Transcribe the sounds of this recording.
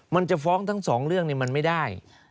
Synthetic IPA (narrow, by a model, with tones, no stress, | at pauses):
ma˧nt͡ɕa˨˩fɔː˦˥ŋt̪ʰa˦˥ŋsɔː˩˦ŋɾɯ˥˩əŋniː˧˩ma˧nma˥˩jdaː˥˩j